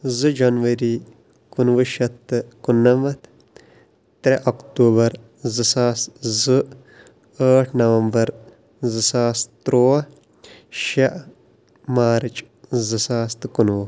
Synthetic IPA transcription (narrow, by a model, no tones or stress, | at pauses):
zɨd͡ʒɐnʋɐɾi | kunʋɨʃɐt̪ːɨkunːɐmɐt̪ʰ | t̪ɾɐʔɐkt̪uːbɐɾ | zɨsaːst̪zɨ | əːʈʰnɐʋɐmbɐɾ | zɨsaːst̪ɾoː | ʃɐʔ | maːɾt͡ʃ | zɨsaːst̪kunʋu